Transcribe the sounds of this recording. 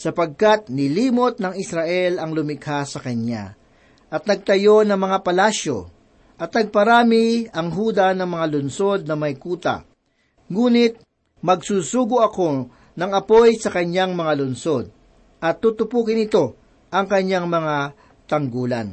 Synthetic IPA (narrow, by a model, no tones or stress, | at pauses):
sɐpɐɡ̚kat̪̚nɪliːmot̪̚nɐŋɪsɾɐʔɛlɐŋlʊmɪkhasɐkɐɲa̰ | ʔɐt̪̚nɐɡ̚t̪ɐjo̞nɐŋmɐŋapɐlaʃo̞̰ | ʔɐt̪nɐɡ̚pɐɾaːmɪɐŋɦuːd̪ɐnɐŋmɐŋalʊnso̞d̪̚nɐmɐjkuːt̪ɐ̰ | ŋuːnɪt̪̚ | mɐɡsuːsuːɡʊɐko̞ | nɐŋɐpo̞jsɐkɐɲaŋmɐŋalʊnso̞d̪̚ | ʔɐt̪ːut̪ʊpuːkɪnɪt̪o̞ | ʔɐŋkɐɲːaŋmɐŋa | t̪ɐŋɡuːlɐ̰n